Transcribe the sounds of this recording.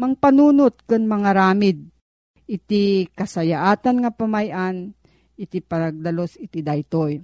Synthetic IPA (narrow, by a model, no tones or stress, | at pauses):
mɐŋpɐnuːnot̪̚kʊnmɐŋaɾaːmɪd̪̚ | ʔɪt̪ikɐsɐjaʔaːt̪anŋɐpɐmajʔan | ʔɪt̪ipɐnɐɡ̚d̪ɐlosɪt̪id̪ajt̪oj